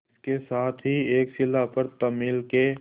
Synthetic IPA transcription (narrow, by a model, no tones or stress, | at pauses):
kesaːt̪ʰɦieːksɪlapɐɾt̪ɐmiːlke